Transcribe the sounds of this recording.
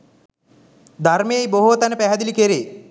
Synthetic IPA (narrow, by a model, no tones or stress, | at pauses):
d̪ʱarmejejboɦot̪ænəpæɦæd̪ilikeɾeː